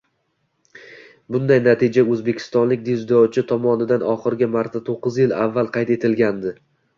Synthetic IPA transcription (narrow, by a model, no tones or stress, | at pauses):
bʊnd̪ajnat̪ʰid͡ʒaɵzbe̞kʲʰɪ̥st̪ɒnlɪkʲd̪izd̪ɒwt͡ʃʰɪt̪ʰɒmɒnɪd̪anɒχɨɾɡʲɪmaɾt̪ʰat̪ʰoqːɨzjɪla̰vːalˠqʰɑjt̪e̞t̪ʰɪlɡʲand̪ɪ